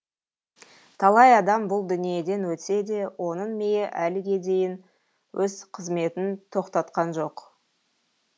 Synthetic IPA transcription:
t̪ʰɑlˠɑjɑd̪ɑmbʊlˠd̪ʏnije̞d̪e̞nwɵt̪se̞d̪e̞wo̞nəɴmejeʔælɪɡʲe̞d̪e̞jɪn | wʔɵzqʰəzme̞t̪ɪnt̪ʰo̞qt̪ɑt̪qɑnʒo̞q

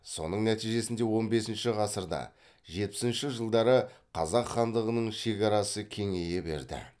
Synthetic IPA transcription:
so̞̰nəɴnæt̪ijʒe̞sɪnd̪e̞wo̞nbe̞sɪnʃɪʁɑsəɾd̪ɑ̰ | ʒe̞t̪̚pɪ̥sɪnʃɪʒəlˠd̪ɑɾəqʰɑzɑqχɑnd̪əʁənəɴʃe̞kʲɑɾɑsəkʲʰe̞ŋe̞jebe̞̰ɾd̪ɪ̰

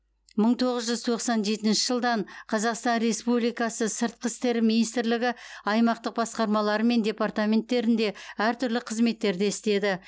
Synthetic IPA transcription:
məɴt̪ʰo̞ʁəzʒʏzt̪ʰo̞qsɑnʒe̞t̪ɪnʃɪʒəlˠd̪ɑɴqʰɑzɑqst̪ɑnɾe̞spublijkɑsəsəɾt̪̚qʰəst̪e̞ɾminijst̪ɾlɪɡʲɪɑjmɑqt̪əq̚bɑsqɑɾmɑlˠɑɾəme̞nd̪ʲe̞part̪amʲe̞nt̪ːe̞ɾɪnd̪e̞æɾt̪ʰʏɾlɪqʰəzme̞t̪ːe̞ɾd̪eɪst̪e̞d̪ɪ

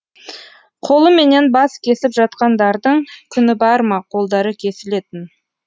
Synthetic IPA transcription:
qʰo̞lˠəme̞ne̞nbɑskʲʰe̞sɪpʒɑt̪qɑnd̪ɑɾd̪əɴkʲʰʏnɪbɑɾmɑqʰo̞lˠd̪ɑɾəkʲʰe̞sɪle̞t̪ɪn

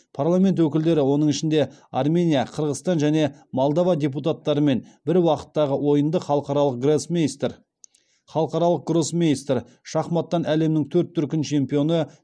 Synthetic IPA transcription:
pʰarlˠamʲe̞nt̪wɵkʲɪld̪e̞ɾɪwo̞nəɴɪʃɪnd̪e̞armʲe̞nʲijaqʰəɾʁəst̪ɑnʒæne̞molˠd̪avɑd̪ʲe̞p̬ut̪at̪ːɑɾəme̞nbɪɾwɑqə̥t̪ːɑʁəwo̞jənd̪əχɑlˠəqɑɾɑlˠəq̚ɡrosmʲijst̪r | χɑlˠəqɑɾɑlˠəq̚ɡro̞smʲeist̪r | ʃɑχmɑt̪ːɑnæle̞mnɪŋt̪ʰɵɾt̪ʰːʏɾkʲɪnt͡ʃʰe̞mpijo̞nə

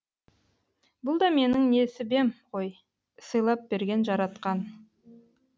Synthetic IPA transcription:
bʊlˠd̪ɑme̞nɪŋne̞sɪbe̞mqʰoj | səjlˠɑp̚b̥e̞ɾɡʲe̞nʒɑɾɑt̪qɑn

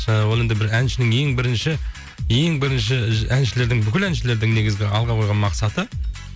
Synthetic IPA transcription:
wo̞lˠend̪ɪbɪɾænʃɪnɪŋe̞ŋbɪɾɪnʃɪ | je̞ŋbɪɾɪnʃɪænʃɪle̞ɾd̪ɪŋbʏkʲɪlænʃɪle̞ɾd̪ɪŋne̞ɡʲɪzɡʲɪɑlˠʁɑqʰo̞jʁɑnmɑqsɑt̪ə

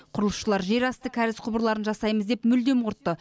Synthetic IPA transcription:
qʰʊɾəlˠəsʃəlˠɑɾʒe̞ɾɑst̪əkʲʰæɾɪsqʰʊbəɾlˠɑɾənʒɑsɑjməzd̪e̞pmʏld̪e̞mwʊɾt̪ːə

